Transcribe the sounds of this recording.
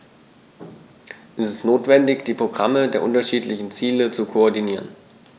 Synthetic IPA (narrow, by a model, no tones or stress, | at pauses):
ʔɛstɛstnoːtv̥ɛndɪçd̥iːpʁ̥oɡʁamədeːɐʔʊntɐʃiːtlɪçn̩t͡siːlət͡sukʰoɔɐdiniːʁ̞ən